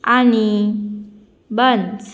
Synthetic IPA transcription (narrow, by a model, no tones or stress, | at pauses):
ani | bəns